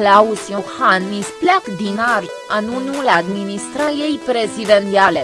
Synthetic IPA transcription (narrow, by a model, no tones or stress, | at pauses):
klausʲijohanmisplakd̪inar | anunulad̪minist̪ɾajejpɾe̞zid̪ent̪iale